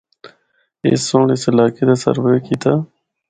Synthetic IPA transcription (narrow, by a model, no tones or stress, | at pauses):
ḛːsoːɳesɪlaːked̪asɐ̰ɾwekiːt̪aː